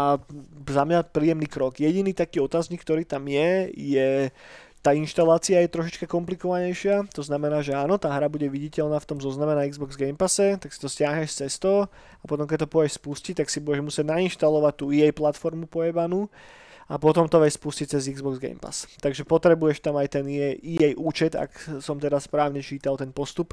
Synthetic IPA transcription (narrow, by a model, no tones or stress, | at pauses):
azamɲapɾiːjɛmniːkɾɔɡjɛɟiniːt̪akiːɔt̪aːzɲikːt̪ɔɾiːt̪amjɛjɛ | t̪aːinʃt̪alaːt͡siajɛt̪ɾɔʃit͡ʃkakɔmplikɔʋaɲɛjʃɪat̪ɔznamɛnaːʒɛaːnɔt̪aːɦɾabuɟɛʋiɟicɛʎnaːft̪ɔmzɔznamɛnaiɡzbɔɡzɡɛjmpasɛt̪aksi̥t̪ɔscɪaɦɲɛʃst͡sɛst̪ɔ | apɔt̪ɔmk̬ɛc̚t̪ɔpɔɛʃspuscic̚t̪aksibuɟɛʒmusɪɛɟnainʃt̪alɔʋac̚t̪uːijɛjplat̪fɔɾmupɔɛbanu | apɔt̪ɔmt̪ɔʋɛcspuscict͡sɛziɡzbɔɡzɡɛ̰jmpa̰st̪aɡʒɛpɔt̪ɾɛbujɛʃt̪amajt̪ɛniɛijɛjʔuːt͡ʃɛt̪a̰ksɔmt̪ɛd̪aspɾaːʊɲɛt͡ʃiːt̪alt̪ɛnpɔst̪up